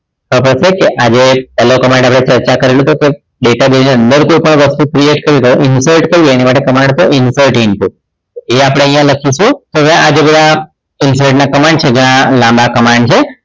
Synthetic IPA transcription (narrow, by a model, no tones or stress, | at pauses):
pəpəsekeʔad͡ʒepɛlokəmãɳɖapɽ̃et͡ʃəɾt͡ʃakəɾelut̪oke | ɖeʈabeniə̃nd̪əɾkojpəɳʋəst̪ukɾieʈkəɾjut̪oʔɪnsəɾʈkəɾienimaʈekəmãɳɖt̪oʔɪnsəɾʈɪɳʈ̪u | t̪oeapəɽ̃ẽə̃jãləkʰiʃũt̪oʋjãʔad͡ʒebəd̪ʱa | ɪnsəɾʈnakəmãɳɖt͡ʃʰed͡ʒeãlãmbakəmãɳɖt͡ʃʰe